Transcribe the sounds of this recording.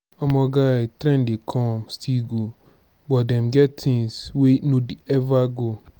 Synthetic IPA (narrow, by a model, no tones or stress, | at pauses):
ɔmɔ̃ɡatɾɛ̃ndɪkʰɔ̃mstʰiɡo | bɔdɛ̃mɡɛttʰɪ̃ŋswenũdiɛvaɡo